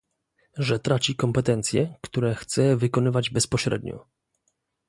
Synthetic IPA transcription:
ʐɛt̪ɾat͡ɕikɔmpɛt̪ɛnt̪sʲjɛ̰kt̪uɾɛxt̪sɛvɘkɔnɘvad͡ʑbɛspɔɕɾɛ̰d̪̚ɲɔ̰

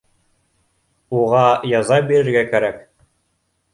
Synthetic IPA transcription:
uʁɑjɑzɑbiɾɘ̆ɾɡækæɾæk

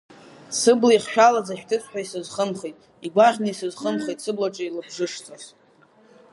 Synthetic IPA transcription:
sɨblaiχʃᶣalazaħᶣtʰɨt͡sʷʼħʷᶣaisɨzχəmχejtʼ | iɡʷaʁʲnaisɨzχəmχejtʼsɨblaʈ͡ʂʼailɨbʐɨʂt͡sʼaz

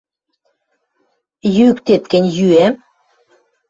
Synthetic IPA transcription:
jykt̪et̪̚kə̆nʲjyæm

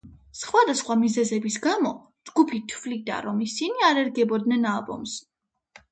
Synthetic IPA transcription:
sχwad̪asχwamizɛzɛbisɡamɔ | d͡ʒɡupʰit̪ʰvlid̪a̰ɾɔmisiniaɾɛɾɡɛbɔd̪nɛnalˠbɔ̰ms

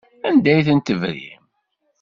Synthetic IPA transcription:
ænd̪æjθənt̪əvɾḭm

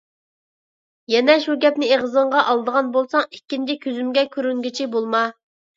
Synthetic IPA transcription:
jɛnɛʃuɡʲɛpnɪeʁəzəɴʁɑʔɑlˠd̪əʁɑnbolˠsɑŋikʲːint͡ʃʰikʲʰøzymɡʲɛkʲʰøɾyŋɡʲit͡ʃʰibolˠmɑ

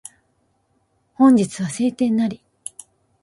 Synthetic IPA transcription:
hõ̞ɲ̟d͡ʑit͡sɨβ̞ase̞ːt̪ẽ̞nːaɾʲi

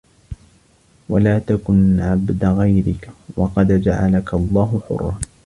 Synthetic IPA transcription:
walaːt̪akʊnʕabd̪ɣajɾɪkwɑqɑd̪d͡ʒaʕa̰lakʰalˤːɑːɦʊħʊ̰rˤːɑː

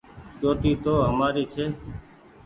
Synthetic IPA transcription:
t͡ʃoːʈ̪iːt̪oːɦəmaːɾiːt͡ʃʰeː

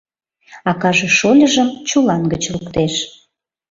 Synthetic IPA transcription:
ɑkɑʒeʃolʲəʒəmt͡ɕulɑnɡət͡ɕlukt̪eʃ

